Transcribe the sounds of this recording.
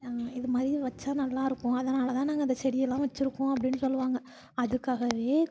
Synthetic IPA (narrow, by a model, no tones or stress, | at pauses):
aɪðɯmaːd̪ɾiʋɐt͡ʃːaːnɐlːãːɪɾɯkːʊ̃ɐðɐnaɐlːt̪ãːnaːŋɡɐɪnd̪ɐsɛɽɪjɛlːãːʋɐt͡ʃːɪɾɯkːʊ̃ɐpːɐɽɪnːɯsɔlːɯʋaːŋɡɐ | ɐðɯkːaːɣɐʋeː